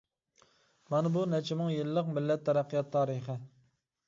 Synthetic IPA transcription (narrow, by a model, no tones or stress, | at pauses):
mɑnɪbunɛt͡ʃʰɪmɨŋjɨlːəqmɪlːɛt̪ʰːɛɾæqʰːijɑt̪ʰːɑːɾɨχə